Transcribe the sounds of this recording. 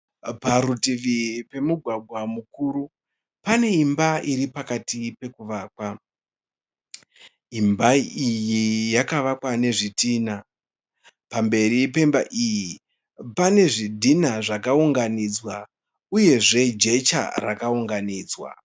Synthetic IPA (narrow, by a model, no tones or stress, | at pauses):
paɾutiʋipe̞muɡʱwaɡʱwamukuːɾu | pane̞imbaʔiɾipakatipe̞kuʋaːk̚wa | imbaijijakaʋakwane̞ʐitiːna | pambe̞ɾipe̞mbaʔiji | pane̞ʐidʱinaʐakauŋɡanid͡zwa | uje̞ʐe̞d͡ʒe̞t͡ʃa̰ra̰kauŋɡaniːd͡zwa̰